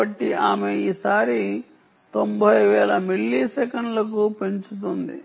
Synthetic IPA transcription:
ɐʈːiaːmeiːsaːɾi | t̪o̞mbʱɐjʋɛːlɐmiɭːisɛkɐɳɖlɐk̬upeɲt͡ʃut̪und̪ḭ

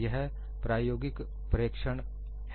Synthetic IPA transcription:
jɐɦ | pɾaːjoːɡɪk | pɾjəkʃəɳ̃

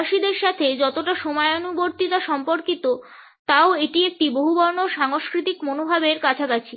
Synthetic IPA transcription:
ʃid̪eɾʃat̪ʰed͡ʑɔt̪oʈaʃomɔeonuboɾt̪it̪aʃɔmpoɾkit̪o | t̪aoeʈiek̚ʈiboɦubɔɾnoʃaŋoʃkɾit̪ikmonobʱabeɾkat͡ɕʰakat͡ɕʰi

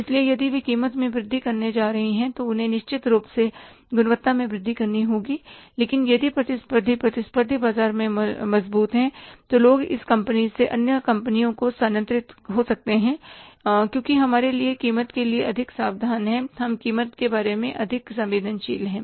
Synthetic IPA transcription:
ɪsliejɐd̪iʋikiːmət̪mẽbɾɪd̪ʱːikɐɾned͡ʒaːɾɐɦiɦɛ̃t̪oʊnɦẽnɪʃt͡ʃɪt̪ɾuːpse | ɡʊnəʋət̪ːamẽbɾɪd̪ʱːikɐɾniɦoːɡiːleːkɪnjɐd̪ʱipɾɐt̪ɪspəɾd̪ʱipɾɐt̪ɪspəɾd̪ʱibaːzaːɾmẽmɐzbuːt̪ɦɛ̃ːt̪oloːɡɪ̰skɐ̃mpəniseʔɐnjəkɐ̃mpənijõkosaːnə̃nt̪ɾɪt̪ɦosɐk̚t̪eɦɛ̃ːkjõːkiɦɐmaːɾeliekiːmət̪kelieʔɐd̪ʱɪksaːʋd̪ʱaːnɦɛ̃ːɦɐmkiːmət̪kebaːɾemẽʔɐd̪ʱɪksɐ̃mʋeːd̪ʱənʃḭːlɦɛ̃ː

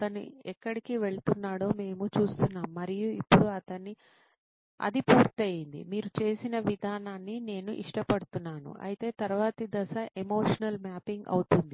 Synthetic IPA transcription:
ɐt̪ɐnḭɛkːɐɽikiʋe̞ɭt̪unːaːɽo̞ːme̞ːmut͡ʃuːst̪unːaːmːɐɾijuipːuɽuɐt̪ɐnːi | ɐ̰d̪ipuːɾt̪eːjind̪ḭmiːɾut͡ʃe̞ːsinɐʋid̪ʱaːnaːnːine̞ːnuʔiʂʈɐpɐɽut̪unːaːnṵʔɐ̰jit̪e̞ːt̪ɐɾʋaːt̪id̪ɐsɐʔemo̞ːʂɐnɐlmaːpiŋɡɐ̰wut̪und̪i

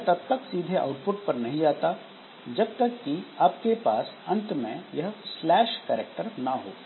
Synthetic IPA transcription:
t̪ɐb̚t̪əksiːd̪ʱeʔa̰ːʊʈpʊʈ̚pɐɾnɐɦĩd͡ʒaːt̪a | d͡ʒɐb̚t̪ɐkːiaːpkepaːsɐ̃nt̪mḛ̃jɐɦslɛːʃkɛːɾek̚ʈəɾnaɦo̰ː

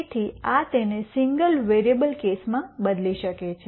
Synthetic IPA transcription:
t̪ʰiat̪enesiŋɡəlʋeɾiebəlkesmãbəd̪liʃəket͡ʃʰe

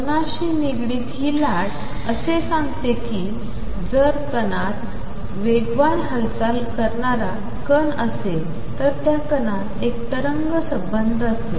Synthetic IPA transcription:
punaɕiːniɡɽiːt̪ɦiːlaɽ | əsesãŋɡt̪ekiː | d͡zəɾkənat̪ | ʋeɡʋanɦəlt͡salkəɾɳaɾa | kənəse | t̪əɾt̪jakənat̪ek̚t̪əɾəŋɡəsəbənd̪ʱəst̪e

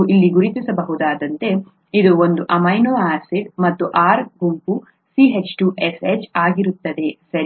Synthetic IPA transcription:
ʔilːiɡuɾit̪isɐbɐɦud̪aːd̪ɐnt̪e̞ | id̪uond̪uʔɐmɐjnoːaːsiɖmɐt̪ːuʔaːɾɡumpu | siːɦet͡ʃʈuʔeset͡ʃaːɡiɾut̪ːɐd̪e̞sɐɾ

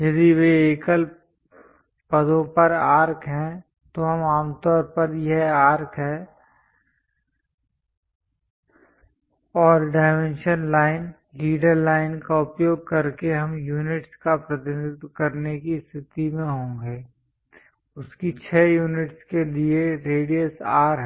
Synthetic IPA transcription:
jɐd̪iʋeeːkəl | pɐd̪õpɐɾaːɾkʰɦɛ̃ | t̪oɦɐmaːmt̪ɔːɾpɐɾjɐɦaːɾkʰɦɛː | ɔːɾɖaːɪmẽnʃənlaːɪn | liːɖəɾlaːɪnkaʊpjoːɡ̚kɐɾkeɦɐmjuːnɪʈskapɾɐt̪ɪnɪd̪kɐɾnekist̪ʰɪt̪imẽɦõːɡeː | ʊskit͡ʃʰɛːjuːnɪʈskelieɾeːɖiəsaːɾɦɛ

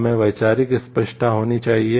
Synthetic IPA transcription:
mẽʋɐjt͡ʃaːɾikispəʃʈ̪aɦoːnit͡ʃaːɦie

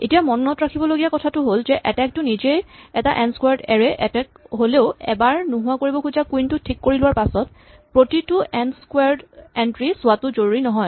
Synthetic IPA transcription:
etijamɔnːɔtɹakʰibɔloɡijakɔtʰatʊɦolzɛʔɛtɛk̚tʊnizejɛtaʔɛnskwaɹdɛɹɛʔɛtɛkɦoleʊɛ̰baɹnʊɦʊwakoɹibɔkuzakuintʊtʰikːoɹilʊwaɹpasɔt | pɹotitʊɛnskwaɹdɛntɹisʊwatʊzouɹinɔɦɔj

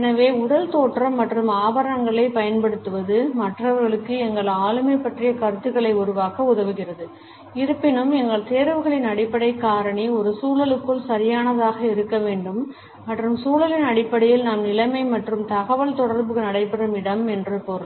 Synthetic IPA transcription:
ɛnɐʋeːʊɽɐlt̪oːʈrɐmːɐʈrɯmaːbɐɾɐɐŋɡɐɭɐɪpɐjɐnpɐɽɯt̪ːɯʋɐðɯmɐʈrɐʋɐɾɣɐɭɯkːɯɛŋɡɐɭaːlɯmɐɪpːɐʈrɪjɐkɐɾɯt̪ːɯɣɐɭɐɪʊɾʊʋaːkɐʊðɐʋɯɣɪrɐðɯ | ɪɾɯpːɪnɯmɛŋɡɐɭt̪eːɾʋɯɣɐɭɪnɐɽɪpːɐɽɐɪkːaːɾɐɳiɔɾɯsuːɭɐlɯkːɯɭsɐɾɪjaːnɐðaːɣɐɪɾɯkːɐʋeːɳɖɯmː | ɐʈrɯmsuːlɐlɪnɐɽɪpːɐɽɐjɪlnaːmnɪlɐmɐɪmɐʈrɯmt̪ɐɣɐʋɐɭt̪ɔɽɐɾbɯɣɐnɐɽɐɪpːɐɽɐmɪɽɐmɛndrɯpɔɾɐ

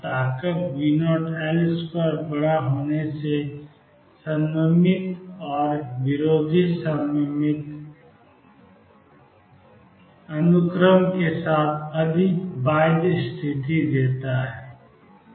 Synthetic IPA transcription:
t̪aːkəkʋinoːʈeːlspəɾbɐɽaɦoːnese | sə̃mːəmɪt̪ɔːɾʋɪɾoːd̪ʱɪsəmmɪt̪ | ənʊkɾəmkesaːt̪ʰɐd̪ʱɪkʋaːɪd̪st̪ʰɪt̪id̪eːt̪aɦɛː

